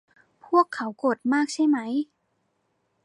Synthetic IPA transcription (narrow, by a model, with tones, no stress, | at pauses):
pʰu˥˩əkʰːa˩˦wko˨˩t̪̚maː˥˩k̚t͡ɕʰa˥˩jma˦˥j